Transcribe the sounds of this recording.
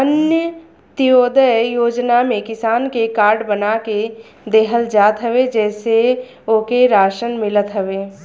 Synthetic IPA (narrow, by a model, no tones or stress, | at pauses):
ənjə | t̪ijoːd̪əjjoːd͡ʒnamẽkɪsaːnkekaːɾɖbənake | d̪eːɦəld͡ʒaːt̪ɦəʋed͡ʒɛːse | oːkeɾaːʃənmɪlət̪ɦɐʋeː